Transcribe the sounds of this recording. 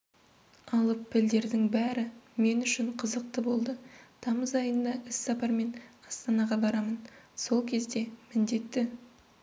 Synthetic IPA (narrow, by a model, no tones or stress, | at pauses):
ɑlˠəpʰːɪld̪e̞ɾd̪ɪŋbæɾɪme̞nʏʃɪɴqʰəzəq̚t̪əbo̞lˠd̪ət̪ʰɑməzɑjənd̪ɑʔɪsːɑpɑɾme̞nɑst̪ɑnɑʁɑbɑɾɑmənso̞lˠkʲʰe̞zd̪e̞mɪnd̪e̞t̪ːɪ